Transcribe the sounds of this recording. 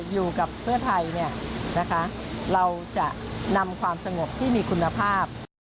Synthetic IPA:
juː˨˩ka˨˩pʰːɯ˥˩ɐt̪ʰa˧jni˥˩ɐna˦˥kʰa˦˥ɾa˧wt͡ɕa˨˩ʔna˧mkʰwaː˧msa˧ŋo˨˩p̚t̪ʰiː˥˩miː˧kʰu˧nːa˧pʰaː˥˩p̚

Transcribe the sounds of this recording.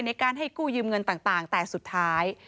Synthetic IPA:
jna˧jkaː˧nɦa˥˩jkuː˥˩jɯː˧mŋɤ˧nt̪aː˨˩ŋt̪aː˨˩ŋt̪ɛː˨˩su˨˩t̪ʰːaː˦˥j

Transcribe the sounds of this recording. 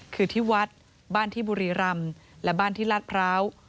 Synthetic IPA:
kʰɯː˧t̪ʰiː˥˩wa˦˥t̪̚ | baː˥˩nt̪ʰiː˥˩buː˧ɾiː˧˩ɾa˧mlɛ˦˥baː˥˩nt̪ʰiː˥˩la˦˥t̪̚pʰɾaː˦˥w

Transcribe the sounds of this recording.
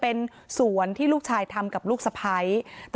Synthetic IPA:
pe˧n | su˨˩˦ənt̪ʰiː˥luː˥˩k̚t͡ɕʰaː˧jt̪ʰa˧mka˨˩p̚luː˥˩k̚sa˧pʰa˦˥jt̪

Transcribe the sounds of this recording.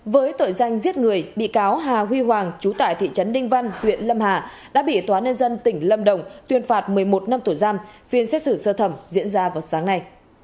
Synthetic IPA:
vəː˨˦jt̪o̰˧˨jza˧jŋ̟zi˦˥ət̚ŋɨ˨˩əjɓḭ˧˨kaː˨˦wɦaː˨˩ɦwi˧ɦwaː˨˩ŋt͡ɕu˨˦t̪a̰ː˧˨jt̪ʰḭ˧˨t͡ɕə˨˦nlï˧ŋ̟va˧jnhwḭ˧˨ənlə˧mɦaː˨˩ | ɗa̰ː˧˥ɓḭ˧˨t̪waː˨˦ɲə˧nzə˧nt̪ï˧˩ŋ̟lə˧mɗə˨˩wŋ͡mt̪wi˧˩ənfaː˨˩t̚mɨ˨˩əjmo˨˩t̚na˧mt̪o˧˩jzaː˧mfi˨˩ənsɛ˦˥t̚sɨ˧˩səː˧t̪ʰə˧˩mzḭ˧˥ənzaː˧vaː˨˩wsaː˨˦ŋna˧j

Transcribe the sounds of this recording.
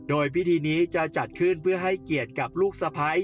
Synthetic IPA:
doː˧jpi˦˥t̪ʰiː˧niː˦˥t͡ɕa˨˩t͡ɕa˨˩t̪̚kʰɯ˥˩npʰɯ˥˩əɦa˥˩jki˨˩ət̪̚ka˨˩p̚luː˥˩k̚sa˧pʰa˦˥j

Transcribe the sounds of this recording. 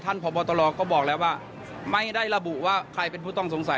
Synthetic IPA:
t̪ʰa˥˩npʰɔː˨˦bɔː˧t̪ɔː˧lɔː˧kɔː˥˩bɔː˨˩k̚lɛː˦˥˩waː˥˩ | ma˥˩jda˥˩jɾa˧bu˨˩ʔwaː˥˩kʰɾa˧jpe˧npʰuː˥˩t̪ɔ˥˩ŋso˩˦ŋsa˨˦

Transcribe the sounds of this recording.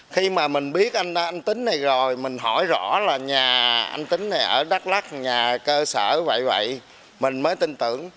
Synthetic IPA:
xi˧maː˨˩mï˨˩ŋ̟ɓi˦˥ət̚ʔa˧na˧ʔa˧ŋ̟t̪ï˨˦ŋ̟na˨˩jzo˨˩jmï˨˩ŋ̟ɦɔ˧˩jzɔ̰˧˥laː˨˩ɲaː˨˩ʔa̰˧ŋ̟t̪ï˨˦ŋ̟na˨˩jʔəː˧˩ɗa˦˥t̚la˦˥k̚ɲaː˨˩kəː˧səː˧˩və̰˧˨jvə̰˧˨j | mï˨˩ŋ̟məː˨˦jt̪i˧nt̪ɨ̰˧˩˨əŋ

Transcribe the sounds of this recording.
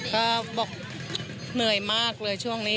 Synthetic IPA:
kɔː˥˩bɔː˨˩k̚ | nɯ˨˩əjmaː˥˩k̚lɤː˧jt͡ɕʰu˥˩əŋniː˦˥

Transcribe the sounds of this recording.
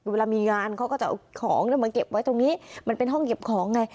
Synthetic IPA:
we˧laː˧miː˧ŋaː˧nkʰa˦˥wkɔː˥˩t͡ɕa˨˩ʔkʰɔ̰ː˩˦ŋnaː˧˥˩ma˧nke˨˩p̚wa˦˥jt̪o˧ŋniː˦˥ma˧npe˧nɦɔ˥˩ŋke˨˩p̚kʰɔː˩˦ŋːa˧j

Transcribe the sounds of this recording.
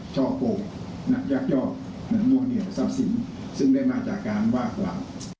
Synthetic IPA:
t͡ɕʰɔː˥˩poː˨˩ | na˦˥ja˦˥˩k̚jɔː˥˩ | na˧˦˥nu˧˩əŋni˧˨˩sa˧˩p̚si˨˩˦n | sɯ˥˩ŋdaː˥˩jmaː˧t͡ɕaː˨˩kːaː˧nwaː˥˩kla̰ː˨˩˦w

